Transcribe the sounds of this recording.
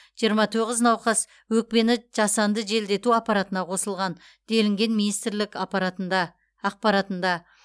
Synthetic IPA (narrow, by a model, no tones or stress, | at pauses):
ʒ̥ijəɾmɑt̪ʰoʁəznɑwqɑs | wɵk̚pe̞nɪʒ̥ɑsɑnd̪əʒe̞ld̪e̞t̪uɑpɑɾɑt̪ənɑqʰo̞səlˠʁɑn | d̪̥elɪŋɡʲe̞nminijst̪ɾlɪkɑpɑɾɑd̪ɑː | q̚pɑɾɑt̪ənd̪ɑ